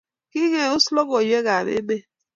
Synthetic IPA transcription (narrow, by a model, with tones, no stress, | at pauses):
ki˦ŋe˦ʊ˦slɔ˦ɡo˨je˦ɣa˨mḛ˦be˦